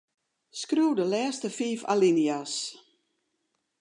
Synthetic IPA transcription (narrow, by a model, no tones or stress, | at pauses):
skruːdəlɛːstəfiːfa̰linias